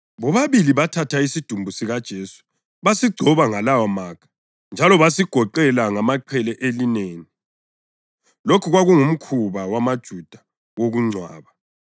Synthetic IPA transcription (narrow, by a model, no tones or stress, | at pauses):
βɔβaβiliβatʰatʰaisid̥ʱumbʱusiɣad̥ʒ̥ʱeːsu̥ | βasiɡ͡ǀʱɔβaŋalawamaːkʰḁ | nd͡ʒʱalɔβasiɡ̥ʱɔǃɛlaŋamaǃʰɛlɛʔelineːni | lokʰuɣwaɣuŋum̩kʰuβawamad̥ʒ̥ʱud̥ʱa | woɣuŋ͡ǀʱwa̰ːβa